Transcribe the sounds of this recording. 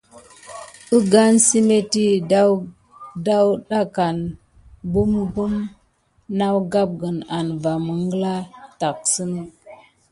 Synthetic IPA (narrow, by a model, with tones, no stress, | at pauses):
ə˦ɡa˦nsi˦me˦ti˦ | da˦wɗa˦ka˨n | bu˦mbu˦m | na˦wɡa˦p̚ɡə˨na˨nva˨mə˨ŋɡla˦ta˨k̚sə˦n˦